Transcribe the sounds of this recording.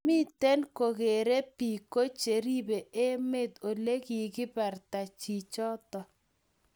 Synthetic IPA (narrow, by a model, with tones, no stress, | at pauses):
mɪ˦t̪ɛ˦nko˨ɣe˨ɾe˦pi˨ko˦t͡ʃe˨ɾi˦be˨e˦me˦˨d̪o˨le˦ki˨ɡɪ˦pɛ˨rta˨t͡ʃi˨t͡ʃɔ˦t̪ɔ˨